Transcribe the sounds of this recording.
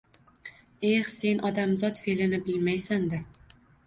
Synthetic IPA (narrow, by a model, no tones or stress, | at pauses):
e̞hse̞nʔɒd̪amzɒt̪felɪnɪbɪlmajsand̪ɪ